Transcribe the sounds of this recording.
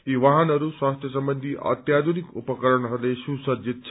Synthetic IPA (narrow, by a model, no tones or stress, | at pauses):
iːʋaɦənɐɾusʋãst̪ʰjɐsəmbənd̪ʱiʔɐ̰t̪jad̪ʱunikupəkəɾəɳəɦleɕusəd͡ʑit̪̚t͡ɕʰ